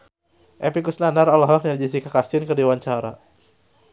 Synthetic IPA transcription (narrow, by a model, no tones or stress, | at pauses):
ʔɛpikusnanaɾɔlɔɦɔk̚nad͡ʒisikakast̪ɪnkərdiwaɲt͡ʃaɾa̰